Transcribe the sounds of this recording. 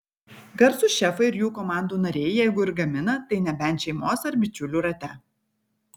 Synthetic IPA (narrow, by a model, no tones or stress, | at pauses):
ɡɐɾsʊʃʲɛfɐɪɪɾjuːkɔmɑˑnd̪uːnɐɾʲɛɪjɛɪɡʊɪɾɡɐmʲɪnɐt̪ɐɪnʲɛbʲɛnʲt̪ʃʲɛɪmoːsɐɾbʲɪt͡ʃʲʊlʲuːɾɐt̪ʲɛ